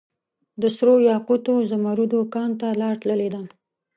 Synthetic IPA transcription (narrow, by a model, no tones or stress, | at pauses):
d̪əsɾojɑqut̪ozamaɾud̪okɑnt̪alɑɾʈ̪ləled̪a